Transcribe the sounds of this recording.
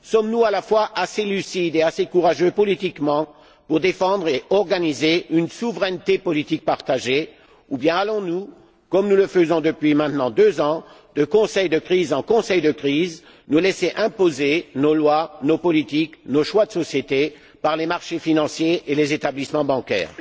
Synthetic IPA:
sɔmnualafwaʔaselysid̪easekuʁaʒøpɔlit̪ikmɑ̃ | puʁd̪efɑ̃d̪ʁeʔɔʁɡanizeynsuvʁɛnt̪epɔlit̪ik̚paʁt̪aʒe | ubjɛ̃alɔ̃nu | kɔmnuləfəzɔ̃d̪əpɥimɛ̃t̪nɑ̃d̪øzɑ̃ | d̪əkɔ̃sɛjd̪əkχizɑ̃kɔ̃sɛjd̪əkχiz | nuleseʔɛ̃pozenolwanopɔlit̪iknoʃwad̪əsɔsjet̪e | paʁlemaʁʃefinɑ̃sjeelezet̪ablismɑ̃bɑ̃kʲɛ̰ːʁ

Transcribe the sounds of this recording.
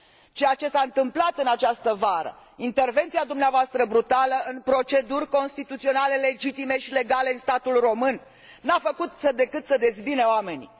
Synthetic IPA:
t͡ʃejat͡ʃe̞saɨnt̪ɨmplat̪ɨnat͡ʃast̪əvaɾə̰ | int̪e̞rve̞nt̪siad̪umneavoast̪ɾəbɾut̪aləɨnpɾo̞t͡ʃe̞d̪urʲko̞nst̪it̪ut̪sio̞nale̞le̞d͡ʒit̪ime̞ʃile̞ɡale̞ɨnst̪at̪ulro̞mɨnː | afəkut̪səd̪e̞kɨt̪səd̪e̞sbineoame̞ni

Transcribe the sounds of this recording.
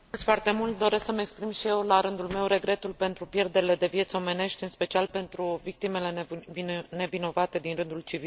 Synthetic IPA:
ɨsfart̪e̞mult̪̚d̪o̞ɾe̞sksəmekspɾimʃije̞wlaɾɨnd̪ulme̞wɾe̞ɡɾe̞t̪ulpe̞nt̪ɾupje̞rd̪e̞ɾile̞d̪e̞vje̞t̪so̞me̞ne̞ʃt̪ʲɨnspe̞t͡ʃialpe̞nt̪ɾuvik̚t̪ime̞le̞vne̞vino̞vat̪e̞d̪inrɨnd̪ult͡ʃivi

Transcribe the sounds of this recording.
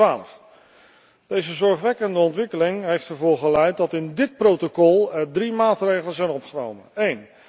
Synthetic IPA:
aːləf | d̥ejzəzɔɹχʋɛkəndəɔntʋɪkəlɪŋɦejftɛɹvʊːɹχəlɛjt̚dɑtɪndɪt̚prowtokɔlˠɛɹdrimaːtrejχələzɛjnɔpχəno̰wmə̰nejn

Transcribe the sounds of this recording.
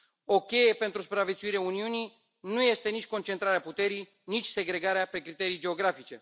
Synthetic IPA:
o̞kʲe̞je̞pe̞nt̪ɾusu̥pɾavet̪suiɾeauniuni | nuje̞st̪e̞nit͡ʃʲko̞nt͡ʃent̪ɾaɾeaput̪e̞ɾij | nit͡ʃʲse̞ɡɾe̞ɡaɾeape̞kɾit̪e̞ɾijd͡ʒe̞o̞ɡɾafit͡ʃe̞

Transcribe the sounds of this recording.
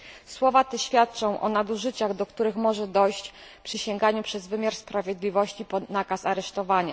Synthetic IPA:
swɔvat̪ɛɕfʲjat̪̚t͡ʂɔ̃w̃ʔɔ̰nad̪uʐɘt͡ɕaɣd̪ɔkt̪uɾɘxmɔʐɛd̪ɔjɕt͡ɕ | pʂɘɕɛŋɡaɲupʂɛzvɘmʲjaɾspɾavʲjɛd̪lʲivɔɕt͡ɕipɔnakasaɾɛʂt̪ɔvaɲa

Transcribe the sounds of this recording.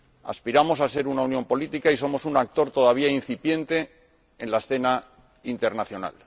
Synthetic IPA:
a̰spiɾamo̞sase̞ɾunaunjo̞mpo̞lit̪ikaiso̞mo̞sunak̚t̪o̞ɾt̪o̞ðaβ̞iain̟θipje̞nt̪e̞ː | nlaesθe̞na | int̪e̞ɾnaθjo̞na̰l

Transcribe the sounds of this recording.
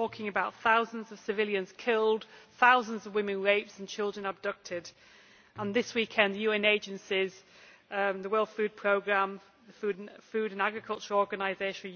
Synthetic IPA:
ɔˑkʰɪ̃ŋəbaʊt̪̚θaʊzə̃nzəv̥sɪvɪljə̃nz̥kʰɪlˠd̥θaʊzə̃nzəvwɪ̃mɪ̃nɹeɪpsə̃nt͡ʃʰɪlˠdɹə̃nəb̚dʌk̚tʰɪd | ə̃nðɪswiˑkʰɛ̃nðəjʉːɛ̃neɪd͡ʒə̃nsɪz̥ | ðəwɜlˠθfʉːd̚pʰɹ̥oʊɡɹãm | ðəfʉːdfʉːɾə̃naɡɹɨkʰʌlˠt͡ʃəɹɔːɹɡənaɪzeɪʃə̃n

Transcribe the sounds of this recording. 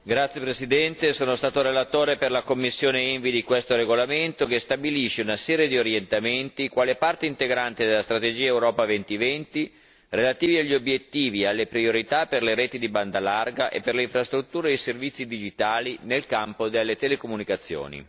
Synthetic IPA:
ɡɾat̪sːjepɾesid̪ɛnt̪esoːnost̪aːt̪oɾelat̪oːɾeperlakomːisːjoːneɛɱvid̪ikwest̪oɾeɡolament̪okest̪abiliʃːeunasɛːɾjed̪ioɾjent̪ament̪ikwaːlepart̪eint̪eɡɾant̪id̪elːast̪ɾat̪ed͡ʒiːaewɾɔːpavɛnt̪ivɛnt̪i | relat̪iːviaʎːiobjet̪ːiːvialːepɾioɾit̪aperleɾeːt̪id̪iband̪alarɡaʔḛpːerleiɱfɾast̪ɾut̪ːuːɾeeservit̪sːid̪id͡ʒit̪aːlinelkampod̪elːet̪elekomunikat̪sːjo̰ːnḭ

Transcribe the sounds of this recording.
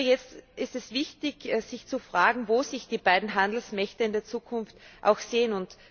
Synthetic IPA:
jɛt͡stʔɪstɛsv̥ɪçtɪçz̥ɪçt͡sufʁ̥aːɡŋ̩voːzɪçd̥iːbaɪdn̩ɦandl̩smɛçtəɪndeːɐt͡suːkʰʊnftʔa̰ʊxseːənʊnt

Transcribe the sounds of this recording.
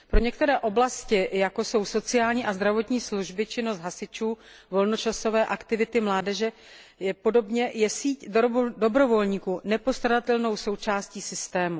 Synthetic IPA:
pɾo̞ɲɛk̚t̪ɛɾɛːʔo̞blascɪjako̞so̞wso̞t͡sɪjaːlɲiːʔazd̪ɾavo̞t̪ɲiːsluʒbɪt͡ʃɪno̞st̪ɦasɪt͡ʃuː | vo̞lno̞t͡ʃaso̞vɛːʔakt̪ɪvɪt̪ɪmlaːdɛʒɛ | jɛpo̞do̞bɲɛjɛsiːcddo̞bɾo̞vo̞lɲiːkuːnɛpo̞st̪adat̪ɛlno̞wso̞wt͡ʃaːsciːsɪst̪ɛːmu

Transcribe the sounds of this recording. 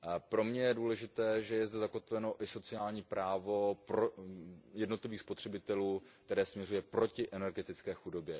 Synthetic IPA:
pɾo̞mɲɛjɛduːlɛʒɪt̪ɛːʒɛjɛzdɛzako̞t̪vɛno̞ʔɪso̞t͡sɪaːlɲiːpɾaːvo̞pɾojɛdno̞t̪lɪviːxspo̞t̪r̥ɛbɪt̪ɛluːkt̪ɛɾɛːsmɲɛrujɛpɾo̞cɪʔɛnɛɾɡɛt̪ɪt͡skɛːxudo̞bjɛ

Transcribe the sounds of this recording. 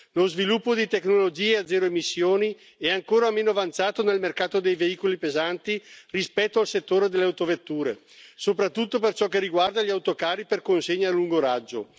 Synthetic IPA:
lozvilupːod̪it̪eknolod͡ʒiːead̪zːɛːɾoemisːjoːni | ɛaŋkoːɾameːnoavant̪saːt̪onelmerkaːt̪od̪ejveiːkolipezant̪irispɛt̪ːoalset̪ːoːɾed̪elːeawt̪ovet̪ːuːɾe | sopɾat̪ːut̪ːop̬ert͡ʃɔkːeriɡward̪aʎiawt̪okaːɾiperkonseɲːaluŋɡoɾad͡ʒːo

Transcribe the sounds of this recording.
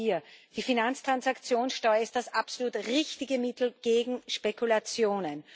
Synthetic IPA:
iːɐd̥iːfinant͡stʁ̥ansakt͡sjoːnsʃtɔʏəɪst̚d̥asapsoluːtʁɪçtɪɡəmɪt̪l̩ɡ̥eːɡŋ̩ʃpekʰulat͡sjoːnən

